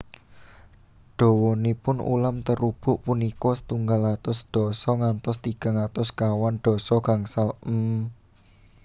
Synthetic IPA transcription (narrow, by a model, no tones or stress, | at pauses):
ɖ̪̥ɔ̤wɔnipʊnṵlamt̪əɾub̥ʊʔpunikɔsə̥t̪uŋɡalat̪ʊsɖ̪̥ɔ̤sɔŋant̪ɔst̪iɡ̥a̤ŋat̪ɔskawanɖ̪̥ɔ̤sɔɡ̥aŋsalm̩